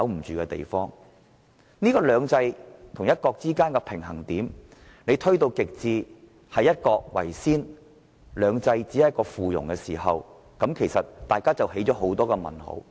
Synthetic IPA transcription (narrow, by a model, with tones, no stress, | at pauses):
ɐ˨˥wm̩˨˩t͡ʃyː˨kɛ˧t̪ḛ˨jfɔː˥ŋ | niː˥kɔː˧lœː˨˧ŋt͡sɐ˧jt̪ʰʊ˨˩ŋjɐ˥t̚kɔː˧k̚t͡siː˥kaː˥nkɛ˧pʰɪ˨˩ŋɦɐ˨˩ŋt̪iː˨˥m | ne˨˧jt̪ʰɵ˥ɥt̪o˧wkɪ˨k̚t͡siː˨˧ | hɐ˨jːɐ˥t̚kɔː˧k̚wɐ̰˨˩jsiː˥n | lœː˨˧ŋt͡sɐ˧jt͡siː˨˥ɐ˨˦˥kɔː˧fuː˨jʊ̰˨˩ŋkɛː˧siː˨˩ɦɐ˨w | kɐ˨˥mkʰe˨˩jsɐ˨t̚t̪aː˨jkaː˥t͡sɐ˨whe˨˥jt͡ʃɔː˨˥ɦo˨˥wt̪ɔː˥kɛ˧mɐ̰˨˩nho̰˨˥w